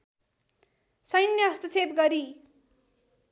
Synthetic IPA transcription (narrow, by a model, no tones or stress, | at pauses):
sʌjnːʌst̪ʌt͡sʰepɡʌɾi